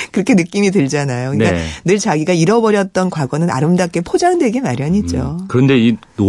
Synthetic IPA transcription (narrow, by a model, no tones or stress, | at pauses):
kɯɾʌkʰenɯk͈imitɯɭd͡ʑanajokɯɲik͈anɯɭt͡ɕaɡiɡaiɾʌbʌɾjʌt̚t͈ʌnkwaɡʌnɯna̰ɾɯmdak͈e̞pʰod͡ʑaŋdweɡemaɾjʌɲid͡ʑokɯɾʌnde̞ino